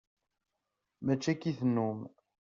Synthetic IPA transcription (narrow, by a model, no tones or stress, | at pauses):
mæt͡ʃːækiθnːum